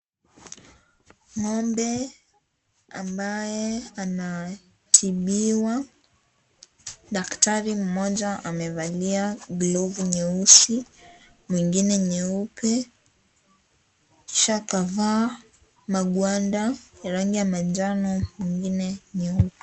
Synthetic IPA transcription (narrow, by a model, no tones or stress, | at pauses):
ŋɔmbɛ | ambajɛana | tʰiɓiwa | ɗaktaɾim̩mɔʄaʔamɛvaliaɡlɔvuɲɛusi | mwiŋɡinɛɲɛupʰɛ | ʃakava | maɡwandaɾaŋɡijamand͡ʒanɔmiŋɡinɛɲɛupɛ